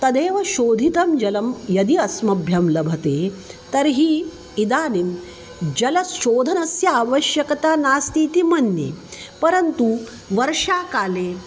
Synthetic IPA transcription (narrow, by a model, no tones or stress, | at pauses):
t̪ɐd̪eːʋɐʃoːd̪ʱit̪ɐmd͡ʒɐlɐmjɐd̪iɐsmɐbʱjɐmlɐbʱɐt̪eːt̪ɐɾɦiː | id̪aːnim | d͡ʒɐlɐsʃoːd̪ʱɐnɐsjɐaʋɐʃjɐkɐt̪aːnaːst̪iːt̪imɐnjḛ | pɐɾɐnt̪u | ʋɐɾʂaːkaːleː